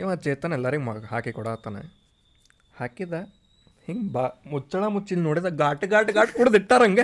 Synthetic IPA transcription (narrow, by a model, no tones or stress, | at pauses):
eʋat͡ʃeːt̪ːɐnɛlːɐɾiɡmaha̰ːkikɔɽaːt̪aːnḛ | haːkid̪ɐ | hiŋɡbamut͡ʃːɐɭaːmut͡ʃːilnoːɽid̪ɐɡaːʈɡaːʈɡaːʈkuːɽɐd̪iʈt̪aːɾɐŋɡe